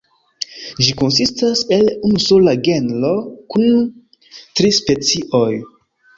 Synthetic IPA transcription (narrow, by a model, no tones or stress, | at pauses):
d͡ʒiko̞nsistase̞lunusolaɡe̞nlo̞kun | tɾispe̞t͡siʔoj